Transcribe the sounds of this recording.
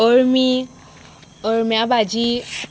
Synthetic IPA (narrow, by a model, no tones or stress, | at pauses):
oɾmi | oɹmjabad͡ʒi